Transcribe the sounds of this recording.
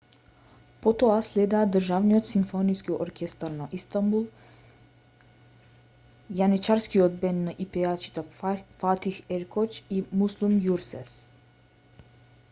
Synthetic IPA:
pot̪oasled̪ad̪ərʒaʋniot̪simfoniskioɾkest̪aɾnaʔist̪ambul | janit͡ʃaɾskiod̪bɛnːaʔipeat͡ʃi̥t̪afat̪iheɾkʰot͡ʃimuslˠumjuɾsɛs

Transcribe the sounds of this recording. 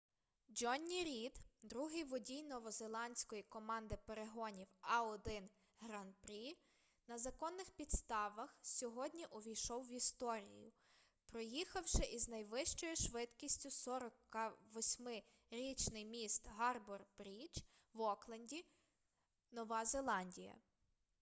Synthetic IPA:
d͡ʒɔnʲːiɾʲid̪d̪ɾuɦɪjʋɔdʲijnɔʋɔzelˠɑnʲsʲkɔjikɔmɑnd̪ɪpeɾeɦɔnʲiwɑɔd̪ɪn | ɦɾɐnpɾʲi | nɐzɐkɔnːɪxpʲid̪st̪ɑʋɐxsʲɔɦɔdʲnʲiʔɔʋʲijʃɔwːʋʲist̪ɔɾʲḭjʊ̰ | pɾɔjixɐwʃɪʔiznɐjʋɪʃt͡ʃɔjʊʃʋɪd̪kʲisʲtʲʊsɔɾɔkɐʋɔsʲmɪ | ɾʲit͡ʃnɪjmʲist̪ɦɑrbɔrbɾʲid͡ʒ | wɔklˠɐnʲdʲi | nɔʋɑzelˠɑnʲdʲijɐ̰

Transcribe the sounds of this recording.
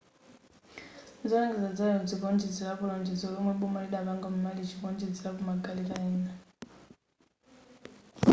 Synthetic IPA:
nzɔaŋɡɛzad͡zalɛɔd͡ziβɔnd͡ʒɛd͡zilakulɔnd͡ʒɛzɔlɔmwɛɓɔmɔlɛɗaβaŋɡamumalit͡ʃʰiβɔnd͡ʒɛd͡zilakumaɡalikaɛːna

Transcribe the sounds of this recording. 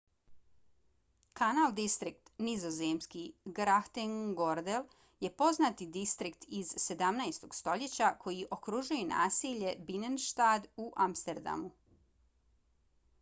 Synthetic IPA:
kanald̪ist̪ɾik̚t̪nizo̞zemskiɡɾaxt̪eŋɡo̞ɾd̪el | je̞po̞znat̪id̪ist̪ɾikt̪izse̞d̪amnajst̪o̞ɡ̥st̪o̞ʎet͡ɕakʰo̞jiʔo̞kɾuːʒujuna̰ːsiʎe̞binenʃt̪aːd̪uʔamst̪eɾd̪a̰mu

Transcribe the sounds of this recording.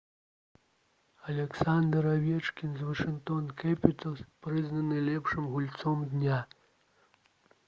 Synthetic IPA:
ɐlʲɛksand̪ɾavʲɛt͡ʂkʲinzʋɐʂɨŋkt̪ɔnkɛpʲit̪ɔspɾɨznɐnɨlʲɛpʂɨmɣulʲt̪sɔmd̪nʲa

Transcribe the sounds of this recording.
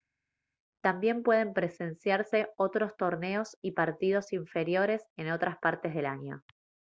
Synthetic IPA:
t̪ambje̞mpwe̞ð̞e̞mpɾe̞se̞nsjaɾse̞o̞t̪ɾo̞st̪o̞ɾne̞o̞sipaɾt̪ið̞o̞siɱfe̞ɾjo̞ɾe̞se̞no̞t̪ɾaspaɾt̪ezð̞elaɲo̞̰

